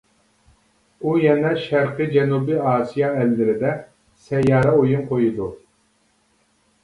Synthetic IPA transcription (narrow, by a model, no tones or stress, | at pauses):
ujɛnɛʃæɾqɨd͡ʒɛnubiɑːsijɑɛlːɪɾɪd̪ɛ | sɛjɑːɾɑojunqʰojud̪u